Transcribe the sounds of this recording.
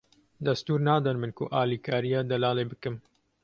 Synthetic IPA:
d̪ɐst̪uːɾnɑːd̪ɛnmɨnkʊ̰ʔaːliːkʰaːɾijɑːd̪ɐlaːleːbɨkɨm

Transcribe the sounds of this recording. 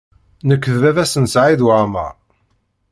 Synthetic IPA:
nəkːðvævæsənsʕiðwamæ̰ʁ

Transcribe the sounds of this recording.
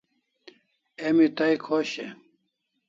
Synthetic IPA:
emit̪ɐikʰoɕe

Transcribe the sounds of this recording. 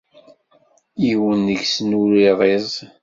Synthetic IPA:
iwənːəʝsnuɾiʁˤezˤ

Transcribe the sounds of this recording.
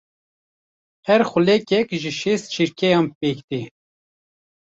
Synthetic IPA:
hɛɾxʊlɛkɛkʒiʃist̪̚t͡ʃʰiɾkʰɛjɑːmpeːkt̪i

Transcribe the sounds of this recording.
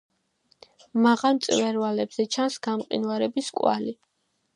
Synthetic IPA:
maʁamt̪sʼvɛɾvalɛbz̥ɛt͡ʃʰansɡ̥amqʼḭnvaɾɛbiskʼwa̰li

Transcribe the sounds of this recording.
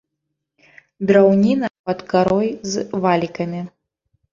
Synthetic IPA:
d̪ɾawnʲinɐpɐd̪kaɾɔjzvalʲikɐmʲi

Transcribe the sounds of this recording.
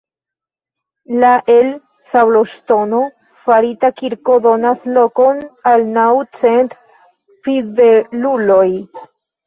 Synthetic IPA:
laʔel | sawloʃto̞no̞ | faɾitakiɾko̞d̪o̞nasloko̞nalnawt͡sent̪ | pɾiðeluloj

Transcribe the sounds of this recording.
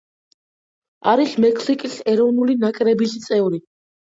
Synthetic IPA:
aɾismɛkʰsikʼisɛɾɔvnulinakʼɾɛbist̪sʼɛvɾi

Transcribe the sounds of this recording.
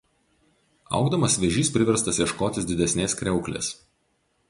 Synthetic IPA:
ɐ̰ʊɡd̪ɐmɐsʋʲɛʒʲiːspʲɾʲɪʋʲɛɾst̪ɐsjɛʃkoːt̪ʲɪsd̪ʲɪd̪ʲɛsʲnʲeːskɾʲɛʊklʲḛːs

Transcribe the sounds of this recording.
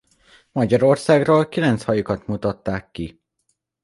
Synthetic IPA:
mɒɟɒɾo̞rsaːɡroːlkilɛnt̪shɒjukɒt̪mut̪ɒt̪ːaːkːi

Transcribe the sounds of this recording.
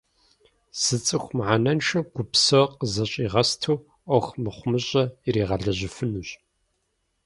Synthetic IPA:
sɨt͡sʼɨxʷmʕanɐnʃɐɡ̥ʷʊpsɐqəzɐɕʼiːʁɐstʰuː | ʔʷɔxmɨχʷʊmɨɕʼɐɪɾiːʁɐɮɐʑɪfɨnuːɕʼ

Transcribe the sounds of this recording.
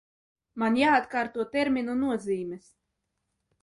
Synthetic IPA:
manjaːt̪kaːɾt̪uɔt̪ɛɾmʲinunuɔziːmɛs

